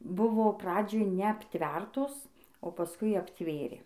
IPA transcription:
ˈbʊʋoː ˈprɑːd͡ʒʲoːj nʲɛɐpʲˈtʲʋʲɛrtoːs oː pɐˈskʊɪ ɐpʲˈtʲʋʲeːrʲeː

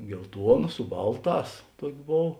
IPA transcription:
ɡʲɛlˠˈtuɔnɐ sʊ ˈbɐlˠˌtɑːs ˈtuɔkʲ ˈboːw

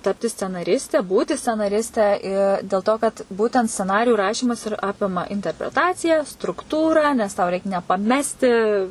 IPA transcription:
ˈtɑːpʲtʲɪ sʲt͡sʲɛnɐˈrʲɪsʲtʲɛ ˈbuːtʲɪ sʲt͡sʲɛnɐˈrʲɪsʲtʲɛ ɪ dʲeːlˠ toː kɐt ˈbuːtʲɛnt sʲt͡sʲɛˈnɑːrʲɪjuː ˈrɑːʃʲiːmɐs ɪr ˈɑːpʲɪmɐ ɪnʲtʲɛrʲpʲrʲɛˈtɑːt͡sʲɪjæː strʊkˈtuːrɑː nʲɛs tɐʊ rʲɛɪk nʲɛpɐˈmʲæːsʲtʲɪ

